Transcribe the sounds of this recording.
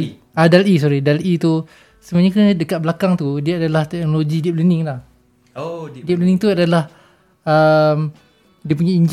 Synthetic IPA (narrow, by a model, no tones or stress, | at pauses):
adalis̬ɔɾidalit̪u | səmaɲəkəndəkat̪̚bəlakaŋt̪udiaadalaht̪ɛk̚noloɡidip̚liniŋlah | dip̚liniŋt̪uadalah | əm | diəp̬uɲaiɲd͡ʒ